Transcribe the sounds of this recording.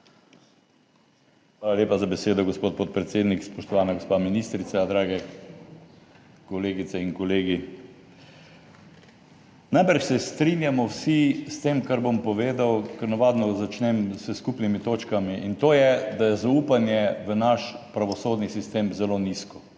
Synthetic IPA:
xʋʋaːlaljeːpazabɛseːd̪ɔɡospoːt̪̚pot̪̚pɾɛt̪seːd̪nikspɔʃt̪ɔʋaːnaɡospaminist̪ɾit̪sad̪ɾaːɡɛ | kɔleːɡit̪sɛinkɔleːɡi | najpəɾʃsɛst̪ɾinjamɔwsist̪emkaɾbompɔʋeːd̪awkəɾnaʋaːd̪nɔzat͡ʃnɛmsəskupnimit̪oːt͡ʃkamiʔint̪oːjɛd̪ajɛzauːpanjɛʋənaʃpɾaʋɔsoːd̪nisist̪eːmzɛloːniskɔ

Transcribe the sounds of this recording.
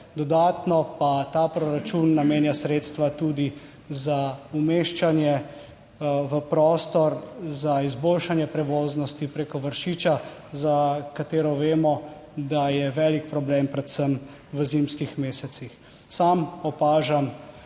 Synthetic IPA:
d̪ɔd̪aːt̪nɔpat̪aːpɾɔɾat͡ʃunːameːnjasɾeːt̪st̪ʋat̪uːd̪i | zaumeʃt͡ʃanjɛ | ʋəpɾɔːst̪ɔɾzaizboːlʃanjɛpɾɛʋoːznɔst̪ipɾekɔʋəɾʃiːt͡ʃazakat̪eːɾɔʋeːmɔ | d̪ajɛʋɛːlik̚pɾɔblempɾɛt̪səm | ʋəzimskixmeːsɛt̪six | samɔpaːʒam

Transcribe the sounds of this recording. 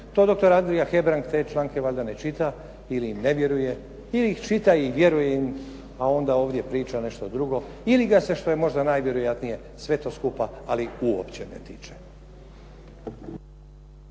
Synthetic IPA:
t̪o̞ːd̪o̞k̚t̪o̞ɾand̪ɾijaxe̞bɾaŋkt̪e̞ːt͡ʃlˠaːŋke̞ʋaʎʲd̪ane̞t͡ʃit̪a | iliːmne̞ʋje̞ɾuje̞ | iliixt͡ʃit̪aiʋje̞ɾuje̞im | ao̞nd̪ao̞ːʋd̪je̞pɾiːt͡ʃane̞ʃt̪od̪ɾuɡo̞iliɡase̞ʃt̪o̞jemo̞ʒd̪anaːjʋje̞ɾojat̪nije̞ | sʋe̞t̪o̞ːskupaaliuo̰pt͡ɕenḛt̪it͡ʃe̥

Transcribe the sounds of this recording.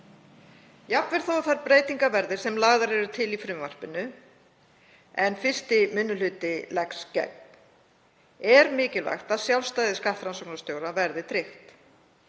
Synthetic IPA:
japnvɛɾ̥θowθaɾpɾeːjt̪iŋkavɛɾðɪɾ̥sɛmlaɣðaɾɛɾʏt̪ʰɪlifɾʏmvar̥pɪnːʏ | ɛnfɪr̥st̪ɪmʏnːʏlʏːt̪ɪlɛkscɛ̰k̚mn | ɛɾmɪːcɪlva̰jxt̪aðsjawlst̪ajðɪskaht̪ɾansowknast̪joːwɾavɛɾðɪt̪ʰɾɪxt̪

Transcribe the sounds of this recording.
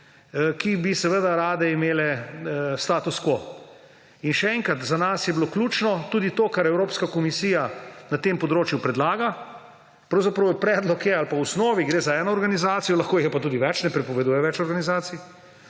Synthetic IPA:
kibisɛʋəd̪aɾaːd̪ɛimeːlɛ | st̪aːt̪uskʋo | inʃɛɛŋkɾat̪zanasjɛbloklʲuːt͡ʃnɔt̪uːd̪it̪oːkaɾɛwɾoːpskakɔmisiːjanat̪eːmpɔd̪ɾoːt͡ʃjupɾɛd̪laːɡa | pɾɐwzapɾɐwpɾɛːd̪lɔkjɛalpausnɔːʋiɡɾeːzaɛːnɔːɾɡanizaːt̪sijɔlɐxkoːjɛpat̪uːd̪iʋɛt͡ʃnɛpɾɛpɔʋɛd̪uːjɛʋɛt͡ʃɔɾɡanizaːt̪si

